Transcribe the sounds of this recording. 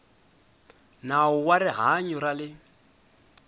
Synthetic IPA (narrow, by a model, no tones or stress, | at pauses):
naʊwaɾɪɦaɲuɾalɪ